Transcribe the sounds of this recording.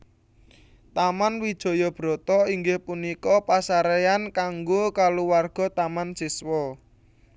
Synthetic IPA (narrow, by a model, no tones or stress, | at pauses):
t̪amanwid̥ʒ̥ɔ̤jɔb̥ɾɔ̤t̪ɔiŋɡɪhpunikɔpasaɾeankaŋɡokaluwarɡ̥ɔ̤t̪amansiswɔ